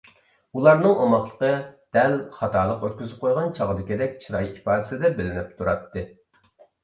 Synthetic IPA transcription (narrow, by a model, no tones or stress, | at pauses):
ulˠɑɾnɨŋʔomɑχlˠə̥qəd̪̥ɛlχɑt̪ɑːɾlˠəqøt̪̚kʲyzɪp̚qʰojʁɑnt͡ʃʰɑʁəd̪ɨkʲid̪ɛk̚ʲt͡ʃʰiɾɑjipɑːd̪ɪ̥sɪd̪ɛbɪlɪnɪp̚t̪ʰuɾɑt̪ʰːɨ